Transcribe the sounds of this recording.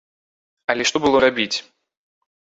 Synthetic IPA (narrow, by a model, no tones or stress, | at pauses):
ɐlʲɛʂt̪ɔbɨlˠɔɾabʲit͡sʲ